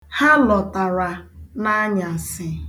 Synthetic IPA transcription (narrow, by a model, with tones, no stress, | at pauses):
ha˦lɔ˨ta˨ɾa˨na˦ɲa˨sɪ˨